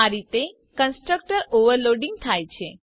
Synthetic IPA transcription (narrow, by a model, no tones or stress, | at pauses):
aɾit̪e | kənsʈɾək̚ʈəɾoʋəɾloɖĩŋɡ̚t̪ʰajt͡ʃʰe